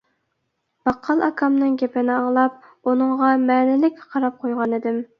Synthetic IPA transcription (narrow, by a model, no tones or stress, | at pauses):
b̥ɑqʰːɑlˠɑkʰɑmnɨŋɡʲepɪnɪɑŋlˠɑp̚ | unɨŋʁɑmɛːnɪlɪkʲqʰɑɾɑp̚qʰojʁɑnɪd̪ɪm